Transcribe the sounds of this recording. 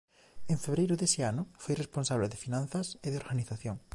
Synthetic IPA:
eɱfeβɾejɾʊðesɪanʊfojresponsaβleðɪfinãn̟θɐseðeoɾɣaniθaθjoŋ

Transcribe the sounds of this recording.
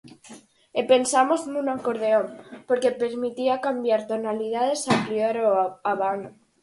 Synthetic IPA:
epe̞nsamo̞znunakoɾð̞eompoɾke̞peɾmit̪iakambjaɾt̪onalið̞að̞e̞sapɾioɾoaβano

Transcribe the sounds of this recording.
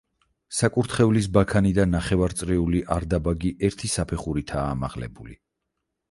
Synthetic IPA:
sakʼuɾt̪ʰχɛvlisbakʰanid̪anːaχɛvaɾt̪sʼɾɛuliʔaɾd̪abaɡiʔɛɾt̪ʰisapʰɛχuɾit̪ʰaːma̰ʁlɛ̰buli

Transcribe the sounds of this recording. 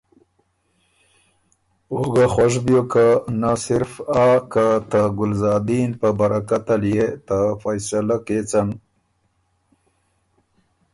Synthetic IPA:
oɡaxwaʂbjokanasɪɾfakat̪aɡʊlzɑːd̪inpəbaɾakat̪aljet̪afajsalaket͡san

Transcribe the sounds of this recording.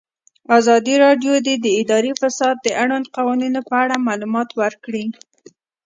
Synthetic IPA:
azɑd̪iɾɑɖjod̪ed̪əɪd̪ɑɾifasɑd̪̚d̪əʔaɽand̪̚qawɑninopəaɽamalumɑt̪wəɾkɽi

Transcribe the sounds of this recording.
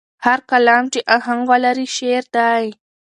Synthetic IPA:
haɾkalɑmt͡ʃeʔaɦaŋwalaɾiʃeɾd̪aj

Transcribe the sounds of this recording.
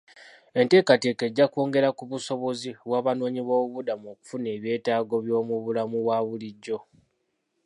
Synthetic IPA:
e̞nte̞ːkate̞ːkeɟːako̞ːŋɡe̞ɾakuβuso̞βo̞ziβwaːβano̞ːɲiβoːβudamo̞ːku̥fune̞ːβje̞ːtaːɡo̞βjo̞ːmuβulamuβwaβuliɟːo̞

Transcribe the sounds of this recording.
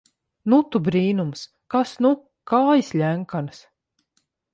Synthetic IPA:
nut̪ubɾiːnums | kasnu | kaːjisʎʲæŋkans

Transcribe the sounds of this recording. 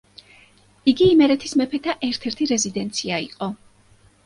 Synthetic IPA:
iɡiːmɛɾɛt̪ʰismɛpʰɛt̪ʰaʔɛɾt̪ʰɛɾt̪ʰiɾɛzid̪ɛnt̪sʰiaḭqʼɔ

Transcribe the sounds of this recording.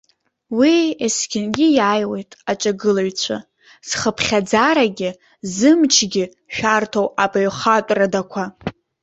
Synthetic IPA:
wieskʲʰɪnɡʲɪjaːjwe̞jtʼat͡ʃʼaɡɨlaɥt͡ɕʷʰa̰ | z̥χəpʰχʲad͡zaɾaɡʲɪ | zɨmt͡ʃʰɡʲɪ | ʃᶣartʰowabaɥχatʷʼradakʷʰa

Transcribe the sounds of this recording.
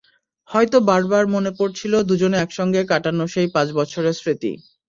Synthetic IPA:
hɔjt̪obaɾbaɾmonepoɾt͡ɕʰilod̪ud͡ʑoneɛkʃɔŋɡekaʈanoʃejpãt͡ɕbɔt͡ɕʰoɾeɾsɾit̪ḭ

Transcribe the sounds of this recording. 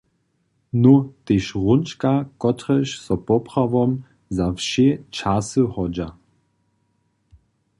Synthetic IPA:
nɔt̪eʃʁunt͡ʃkakɔt̪ʁɛʃsɔpɔpʁavɔm | zafʃet͡ʃasɨhɔd͡ʒa

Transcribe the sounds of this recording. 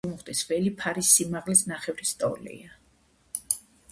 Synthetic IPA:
mɔχt̪ʼisvɛlipʰaɾisːimaʁlisnaχɛvɾist̪ʼɔ̰lḭa

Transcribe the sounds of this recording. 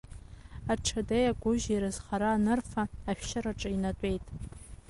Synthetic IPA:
aʈ͡ʂʰadejaɡʷʊʒaiɾɨzχaɾaːnɨrfaaʃᶣʃaɾaʈ͡ʂʼainatʷʼe̞jtʼ

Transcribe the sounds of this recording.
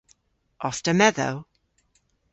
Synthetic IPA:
ʔɔstəmɛðo̰ʊ

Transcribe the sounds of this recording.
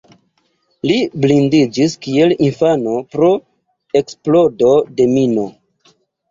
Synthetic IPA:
liblindid͡ʒiskie̞linfano̞pɾo̞ | e̞ksplo̞do̞de̞mino

